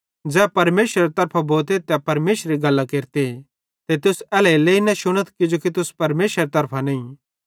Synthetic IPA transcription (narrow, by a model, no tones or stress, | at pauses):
d͡zɛːpɐɾmeːʃɾeɾet̪ɐɾpʰaboːt̪̬et̪ɛpɐɾmeːʃɾiɡɐlːakeːɾt̪e | t̪et̪ʊsɛːlɛileːinɐʃʊɽ̃ət̪kɪd͡ʒokit̪ʊspɐɾmeːʃɾet̪ɐɾpʰanɐ̃ĩ